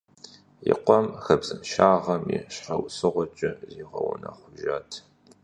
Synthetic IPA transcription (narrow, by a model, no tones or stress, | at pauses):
jɪ̰qʷɔmxɐbzɨmʃaːʁɐmiɕħɐwsɨʁʷɔt͡ʃʼɐziːʁɐwʊnɐχʷʊʒaːtʰ